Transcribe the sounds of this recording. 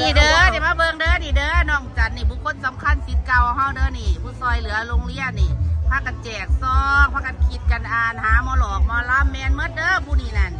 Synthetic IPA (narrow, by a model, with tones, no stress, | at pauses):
niː˧˩dɤː˧˩ni˧˨˩maː˧˨bɤː˧ŋdɤː˧˨niː˧˦dɤː˧˨nɔː˧˩ŋt͡ɕa˨˦nːiː˧˩buː˧˦kʰo˧˥˨nsa˨˦mkʰa˧˥˨nsi˨˦t̪̚ka˧˩wha˧˩˨wdɤː˧˨niː˧˩buː˧˦sɔː˧˩jlɯ˨˦ɐloː˧˨ŋli˧˥˨ət̪̚niː˧˩pʰaː˧˩ka˧nt͡ɕɛː˨˩k̚sɔː˧˩k̚pʰaː˧ka˧˦nkʰi˧˦t̪̚ka˧nʔaː˧˩nhaː˨˦mɔː˧˦lɔː˨˩k̚mɔː˧˦la˧˥mːɛː˧nmɤ˧˥˨t̪̚dɤː˧˥buː˧˨niː˧˩na˧˩n